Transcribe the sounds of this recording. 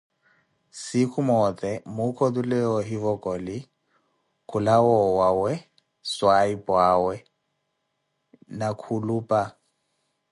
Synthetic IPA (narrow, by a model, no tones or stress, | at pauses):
sikʰumɔtʼɛmokʰɔdulɛɔɦivɔkʼɔlɪ | kʰʊlawɔwawɛ | swaipʼwawɛ | nakʰuluːpʼa